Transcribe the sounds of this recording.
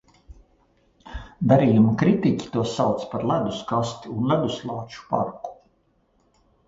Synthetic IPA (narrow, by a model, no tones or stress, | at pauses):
d̪aɾiːjumakɾit̪ikʲi̥t̪uɔsawt̪spaɾlæd̪uskast̪iunlæd̪uslˠɑːt͡ʃu̥pa̰ɾku̥